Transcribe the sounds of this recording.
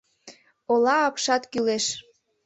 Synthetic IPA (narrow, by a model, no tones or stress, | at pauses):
olɑːpʃɑt̪kyleʃ